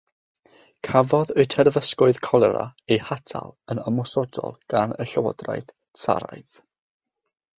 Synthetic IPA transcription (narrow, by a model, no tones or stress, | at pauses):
kʰavɔðɨtʰɛrvəskʊɨð̥kʰɔlˠɛɾaejhatʰalˠənɔmɔsɔdɔ̰lˠɡ̥anəɬəwɔ̰dra̰jθ | sa̰ɾa̰jθ